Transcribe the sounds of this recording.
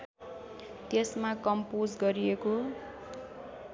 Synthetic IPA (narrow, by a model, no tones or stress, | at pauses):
t̪esmakʌmpod͡zɡʌɾieko